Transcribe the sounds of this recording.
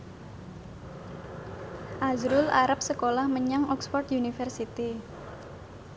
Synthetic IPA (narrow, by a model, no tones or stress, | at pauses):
ʔazɾʊlʔaɾap̚səkolahməɲaŋʔɔkspɔrt̪junifɛrsit̪i